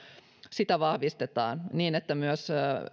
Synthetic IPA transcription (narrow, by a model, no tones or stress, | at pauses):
sit̪æʋɑhʋist̪et̪ɑ̰ːnniːnet̪ːæmyøs